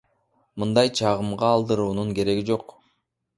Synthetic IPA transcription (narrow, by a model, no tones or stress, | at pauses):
mɯnd̪ɑjt͡ʃʰɑʁɯmʁɑːlˠd̪ɯɾuːnuŋke̞ɾe̞ɡid͡ʒo̞q